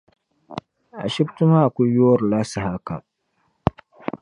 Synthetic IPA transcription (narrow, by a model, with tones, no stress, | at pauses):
ʔa̰˨ʃɪ˦btʊ˦maː˦ʔa˨kʷu˦ju˦wɐ˦rlaː˦sa˨ha˦ka̰˨